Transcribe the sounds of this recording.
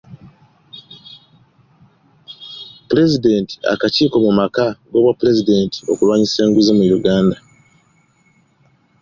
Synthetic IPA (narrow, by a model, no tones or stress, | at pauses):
puɾe̞zide̞ːnti̥a̰kaciːko̞mumakaɡo̞ːβwapule̞zide̞nti̥o̞̰kulwaːɲise̞ːŋɡuzimwiɾuɡaːnda